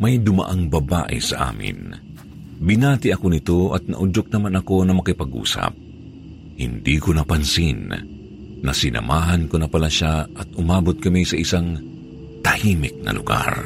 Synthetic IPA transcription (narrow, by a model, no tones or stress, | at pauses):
mɐjd̪ʊmɐ̰ʔaŋbɐba̰ːʔɪ̰sɐʔa̰ːmɪ̰n | bɪnaːt̪ɪʔɐko̞nɪt̪oʔɐt̪̚nɐ̰ʔʊd͡ʒok̚nɐmanɐko̞nɐmɐkɪpɐɡṵːsɐ̰p̚ | hɪnd̪ikonɐpɐnsɪnː | ɐsɪnʔɐ̰maːɦɐnkonɐpɐlaʃaʔɐt̪̚ʔʊmaːbot̪̚kɐmisɐʔɪsaŋ | t̪ɐhiːmɪk̚nɐ̰lʊɡa̰ɾ